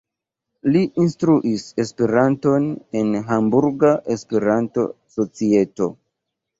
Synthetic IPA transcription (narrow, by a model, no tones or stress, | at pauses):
liʔinstɾuʔise̞spe̞ɾanto̞ne̞nɦambuɾɡaʔe̞spe̞ɾanto̞̰so̞t͡sie̞to̞